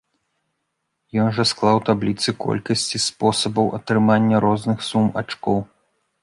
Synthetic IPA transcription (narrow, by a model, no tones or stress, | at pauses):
jɔnʐɐsklˠawt̪ablʲit̪sɨkɔ̰lʲkɐsʲt͡sʲispɔsɐbɐwʔɐt̪ɾɨmanʲːɐɾɔznɨxsuma̰t͡ʂkɔw